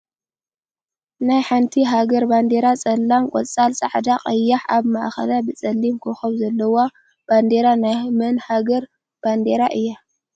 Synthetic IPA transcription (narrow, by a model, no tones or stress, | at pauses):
najħant̪ʰiɦaɡɐɾband̪e̞ɾat͡sʼɐlːamkʷʼɔ̰t͡sʼalsʼa̰ʕd̪aqʼɐjːaħaβmaʔxɐ̰labɨt͡sʼɐlːimkʰoxɐβzɐlːɐwa | b̥and̪eɾanajmɐnhaɡɐɾ | b̥and̪eɾaʔɨjːa